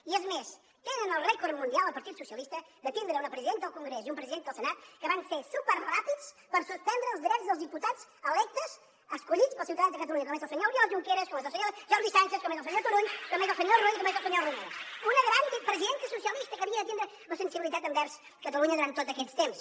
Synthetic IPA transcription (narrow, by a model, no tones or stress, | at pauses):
iezmeʃ | t̪ẽnɐ̃nɐwrɛkoɾmũnialˠɐpɐɾt̪iðususjɐlˠiʃt̪ɐðɐt̪ĩnd̪ɾɐũnɐpɾɨziðẽnt̪ðlukõŋɡɾɛsuiũmpɾɨziðẽnt̪ðlsɨnat̪u̥kɨvɐ̃j̃seɾsupɛɾʁapiðuʃ | pɐɾɐsuʃpẽnd̪ɾɐ̃uʒðiɾɛt̪uzɐwzðiput̪aðuʃɐlˠɛt̪ɐʃ | ɐʃkuʎiðuʃpɾɔsiwt̪ɐðɐ̃ðɐkɐt̪ɐluɲɐt̪ɐmẽsɐwsɐɲɔlˠjɔʒukeɾɐʃkomẽzɐsɐɲoɾʒɔɾðisɐ̃nʃɐʃkõmẽzɔsɐɲoɾt̪uɾuɲuk̪õɐmẽj̃zɔwsɐɲoɾruɲit̪ɐmẽzɔsɐɲɛlˠrumeɾɐʃunɐðɾɐ̃nt̪ɨpɾɨziðẽnt̪ɨsusiɐlˠiʃt̪ɐkɐβiɐðɐt̪ĩnd̪ɾɐ | mɐsẽnsiβilˠit̪at̪ɐ̃nd̪ɛɾs | ð̥kɐt̪ɐlˠuɲɐðuɾɐ̃nt̪ːoðzɐkeʎʃt̪ẽmʃ